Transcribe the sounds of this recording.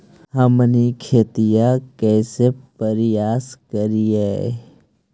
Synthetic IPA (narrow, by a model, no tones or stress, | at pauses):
ɦəmnikʰeːt̪ijakɛːsepəɾɪjaːskəɾiɦɛ